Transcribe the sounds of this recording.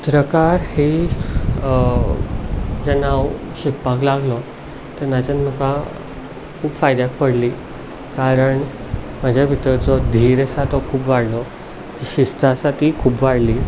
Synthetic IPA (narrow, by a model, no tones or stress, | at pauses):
t̪ɾəkaɾhi | d͡zɛnaw | ɕek̚paklaɡlɔ | t̪əɾnat͡ɕanm̤əka | kʰuːbfajd̪jakpəɽliː | kaɾəɳ | mad͡ʑʱjabʱit̪əɾt͡sɔd̪ʱiɾəsat̪ɔkʰuːpʋaɽlɔ | kiɕist̪asat̪ikʰuːbʋaɽliː